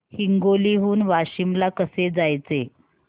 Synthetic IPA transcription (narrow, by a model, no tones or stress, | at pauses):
hiŋɡoliɦuːnʋaɕimlakəsed͡zajt͡se